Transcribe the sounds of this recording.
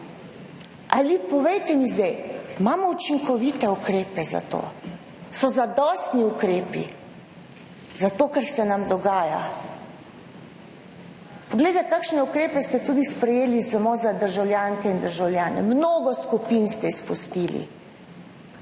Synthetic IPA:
alipɔʋejt̪ɛmizd̪ɛjmaːmɔut͡ʃiŋkɔʋit̪ɛukɾeːpɛza̰t̪o̰ː | sɔzad̪ɔst̪niukɾeːpḭ | zat̪oːkaɾsɛnamd̪ɔɡaːja̰ | pɔɡleɪjd̪ɛkaːkʃnɛukɾeːpɛst̪ɛt̪uːd̪ispɾɛjeːlisamozad̪əɾʒawljaːŋkɛind̪əɾʒawljaːnɛ̰mnoːɡɔskupinst̪ɛispust̪iːlḭ

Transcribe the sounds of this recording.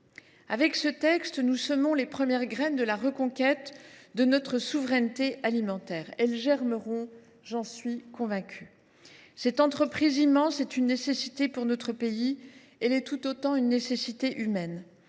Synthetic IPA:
avɛksət̪ɛkst̪nusɔmɔ̃lepχəmjɛʁɡʁɛnd̪əlaʁəkɔ̃kʲɛt̪d̪ənɔt̪χəsuvʁɛnt̪eʔalimɑ̃t̪ɛːʁɛlʒɛʁməʁɔ̃ | ʒɑ̃sɥikɔ̃vɛ̃kʲʰy | sɛt̪ɑ̃t̪χəpχizimɑ̃sɛt̪ynːesesit̪epuʁnɔt̪χəpei | ɛlɛt̪ut̪ot̪ɑ̃ynːesesit̪eʔymɛn

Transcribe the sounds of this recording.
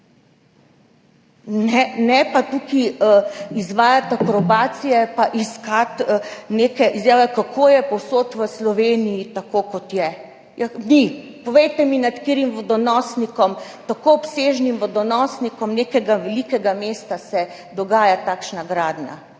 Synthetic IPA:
nɛnɛpat̪uki | izʋaːjat̪akɾɔbaːt̪sijɛpaʔiskat̪nekɛʔizjaːʋɛkakʰojɛpɔwsot̪ʋəslɔʋeːnijit̪akokɔt̪jɛ | jani | pɔʋejt̪ɛminat̪kiːɾimʋɔd̪ɔnɔːsnikɔm | t̪akoɔpseːʒnimʋɔd̪ɔnɔːsnikɔmneːkɛɡaʋɛlikɛɡameːst̪asɛ | d̪ɔɡaːjat̪aːkʃnaɡɾaːd̪nja̰

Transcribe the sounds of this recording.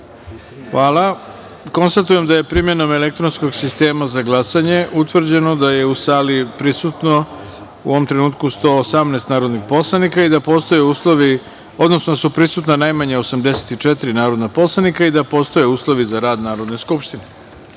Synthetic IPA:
xʋaːlˠa | ko̞nst̪at̪uje̞md̪aje̞pɾimje̞no̞me̞lek̚t̪ɾonsko̞ɡsist̪e̞ːmazaɡlˠasaɲe̞ʔut̪ʋr̩d͡ʑe̞no̞d̪aje̞usaːlipɾisut̪no | uʋomt̪ɾenuːt̪kust̪o̞ːsamnest̪naːɾod̪nixpo̞slˠanikaid̪apost̪ojeusloʋi | o̞d̪no̞snod̪asupɾisut̪nanajmaɲaosamd̪ese̥t̪it͡ʂɛt̪iɾinaːɾo̞d̪napo̞slˠanikaid̪apo̞ːst̪o̞je̞uːslˠo̞ʋizaɾaːd̪naːɾo̞d̪ne̞skupʃt̪ine

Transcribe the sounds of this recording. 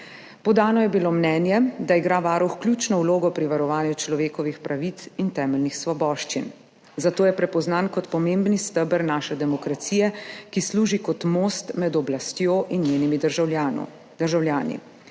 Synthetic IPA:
pɔd̪aːnɔjɛbilomnɛːnjɛd̪aiɡɾaʋaːɾuxkljuːt͡ʃnɔwloːɡɔpɾiʋaɾɔʋaːnjut͡ʃlɔʋeːkɔʋixpɾaʋit̪sint̪ɛːmɛlnixsʋɔbɔːʃt͡ʃin | zat̪oːjɛpɾɛpɔznankɔt̪pɔmeːmbnist̪əbəɾnaːʃɛd̪ɛmɔkɾat̪siːjɛkisluːʒikɔt̪moːst̪mɛd̪ɔblast̪joːʔinɲeːnimid̪ʒa | d̪əɾʒawljaːnḭ

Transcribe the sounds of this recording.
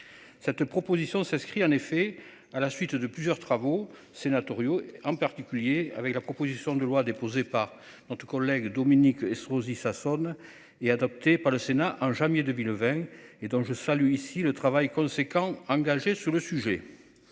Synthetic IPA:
sɛt̪pχɔpozisjɔ̃sɛ̃skχiɑ̃nefɛ | alasɥit̪d̪əplyzjœʁt̪χavo | senat̪ɔʁjoɑ̃paʁt̪ikʲyljea̰vɛklapχɔpozisjɔ̃d̪əlwad̪epozepaʁ | nɔt̪χə̥kɔlɛɡd̪ɔminikɛsʁozisasɔn | ead̪ɔp̚t̪epaʁləsenaʔɑ̃ʒɑ̃mjed̪əmilvɛ̃ed̪ɔ̃ʒəsalyisilət̪χavajkɔ̃sekɑ̃ɑ̃ŋɡaʒesyʁləsyʒe

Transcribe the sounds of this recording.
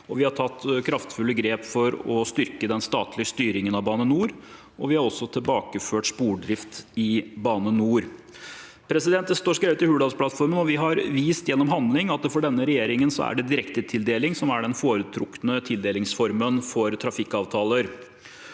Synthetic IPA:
ɔʋɪhɑʈʰɑt̪ːkʰɾɑft̪fʉlːəɡɾeːpfɔɾɔst̪ʏɾkəd̪ɛnst̪ɑːt̪lɪəst̪yːɾɪŋənɑʋbɑːnənuːɾ | ʔɔʋɪhɑɾɔsːɔt̪ʰɪlbɑːkəføːʈspuːɖɾɪft̪ɪbɑːnənuːɾ | pʰɾɛsɪd̪ɛnt̪̚d̪ɛst̪oːʂkɾeːʋət̪ɪhʉːɖ̪ɑspʰlɑt̪fɔɾmənɔʋɪɦɑɾʋiːst̪jɛnːɔmɦɑnd̪lɪŋɑt̪̚ɛfɔɖɛnːəɾɛjeːɾɪŋənsɔ̰æ̰ɖɛd̪ɪɾɛkt̪ət̪ʰɪld̪eːlɪŋsɔmæɖɛnfoːɾət̪ʰɾʊkːnət̪ʰɪld̪eːlɪŋsfɔɾmənfɔɾt̪ʰɾɑfɪkːɑːʋt̪ʰɑːləɾ

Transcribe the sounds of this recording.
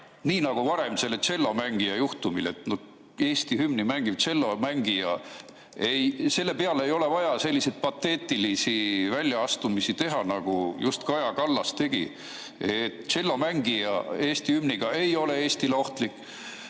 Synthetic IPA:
niːnɑɡ̥uvɑɾe̞mse̞lːet͡ʃe̞lːo̞mæŋɡ̥ijɑjuht̪umile̞t̪no | e̞ːst̪ihymnimæŋɡ̥iv̥t͡ʃe̞lːo̞mæŋɡijɑ̰ | ejse̞lːe̞pe̞ɑlejo̞le̞vɑjɑse̞lʲːise̞jd̪̥̚pɑt̪ːe̞ːt̪ːˑilisivælʲjɑɑst̪umisit̪e̞ɦɑnɑɡ̥ujust̪kɑjɑkɑlːɑst̪e̞ɡ̥ḭ | et̪ːt͡ʃe̞lːo̞mæŋɡ̥ijɑ̰e̞ːst̪ihymniɡ̥ɑe̞jo̞le̞e̞ːst̪ileo̞ht̪likːˑ

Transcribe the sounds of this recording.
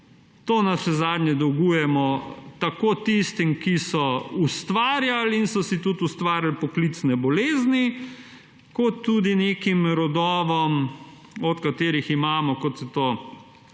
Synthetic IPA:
t̪oːnasʃɛzaːd̪nʲɲjɛd̪ɔwɡuːjɛmɔt̪akoːt̪ist̪imkisɔust̪ʋaːɾjalinsɔsit̪ut̪ust̪ʋaːɾjalpɔklit̪snɛbɔleːzni | kɔt̪ːud̪ineːkimɾɔd̪ɔːʋɔm | ɔt̪kat̪eːɾiximaːmɔkɔt̪sɛt̪oː

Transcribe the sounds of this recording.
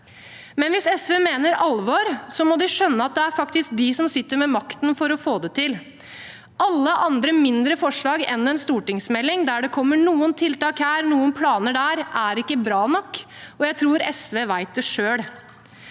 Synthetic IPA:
mɛnʋɪsɛsʋeːmeːnəɾɑlʋoːɾsɔmɔd̪ɪʂœnːəɑt̪̚d̪ɛæɾfɑkt̪ɪsk̚d̪ɪsɔmsɪt̪ːəɾmɛmɑkt̪nfɔɾɔfoːd̪ət̪ʰɪl | ʔɑlːəʔɑnd̪ɾəmɪnd̪ɾəfɔʂɭɑːɡɛ̰nːɛnst̪uːʈɪŋsmɛlːɪŋd̪æɖɛkʰɔmːəɳuːənt̪ʰɪlt̪ɑːkhæːɾnuːənpʰlɑːnəɖæɾʔæɾɪkːəbɾɑːnɔkː | ɔjæɪt̪ʰɾuːɾɛsʋeːʋæɪt̪̚d̪ɛʂøːɽ

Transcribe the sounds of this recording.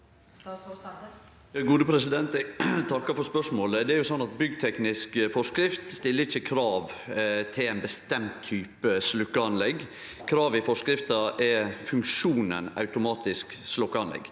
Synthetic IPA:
jɑɡuːd̪əpʰɾɛsɪd̪ɛnt̪t̪ʰɑkːɑfɔɾspœʂmoːləd̪ɛæɾjʊsɔnːɑt̪̚bʏɡt̪ʰɛknɪskfɔʂkɾɪft̪st̪ɪlːəɾɪçːəkʰɾɑːʋt̪ʰɪlæɪnbəst̪ɛmt̪ʰːyːpəslʉkːəɑnlɛɡ | kʰɾɑːʋɪfɔʂkɾɪft̪ɑʔɛfʉŋkʂuːnə̰nɑ̰ʉt̪ʊmɑːt̪ɪskslɔkːəɑnlɛ̰ɡː

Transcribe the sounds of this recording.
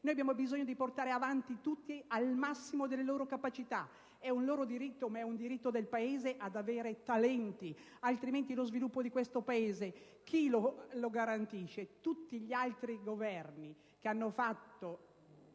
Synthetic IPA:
noːjabjamobizoɲːod̪iport̪aːɾeavant̪it̪ut̪ːialmasːimod̪elːeloːɾokapat͡ʃit̪a | ɛunloːɾod̪iɾit̪ːomaɛund̪iɾit̪ːod̪elpaeːzeʔad̪aveːɾet̪alɛnt̪i | alt̪ɾiment̪̬ilozvilupːod̪ikwest̪opaeːze | k̟ʰiloloɡaɾant̪iʃːet̪ut̪ːiʎialt̪ɾiɡovɛrni | keanːofat̪ːo

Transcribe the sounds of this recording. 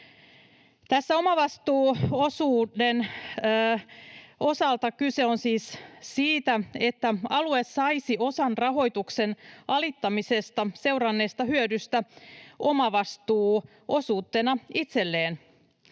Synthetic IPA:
t̪æsːæo̞mɑʋɑst̪uːo̞suːdenː | o̞sɑlt̪ɑkyse̞onsiːssiːt̪æe̞t̪ːæɑluessɑisio̞sɑnrɑɦo̞jt̪uksenɑlit̪ːɑmisest̪ɑse̞wrɑnːe̞ːst̪ɑɦhyødyst̪æo̞mɑʋɑst̪uː | o̞suːt̪ːenɑit̪selːeːn

